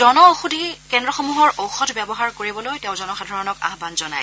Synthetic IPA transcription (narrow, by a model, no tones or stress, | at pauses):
dɔnɔoxudʱikɛndɹɔxomuɦɔɹʔowxɔtʰbɛbɔɦaɹkoɹibɔlojtɛʊ̃zɔnɔxadʱaɹɔnɔka̰ɦbanzɔna̰j